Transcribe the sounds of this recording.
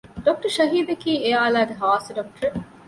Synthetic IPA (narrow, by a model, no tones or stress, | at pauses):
ɖok̚ʈɐɾʃɐɦiːd̪ekiːeaːlaːɡeɦaːseɖok̚ʈɐɾe